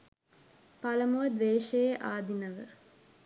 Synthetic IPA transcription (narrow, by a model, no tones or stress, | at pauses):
paləmuʋɐd̪ʋeːʃejʔaːd̪inəʋə̰